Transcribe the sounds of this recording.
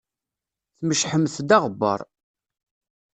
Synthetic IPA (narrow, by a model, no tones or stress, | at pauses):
θməʃħəmːθd̪ɑʁəbːɑ̰ɾˤ